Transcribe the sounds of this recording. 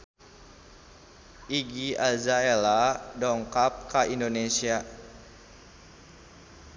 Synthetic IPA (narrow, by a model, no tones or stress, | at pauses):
ʔiɡiazaeladɔŋkap̚kaʔindonesia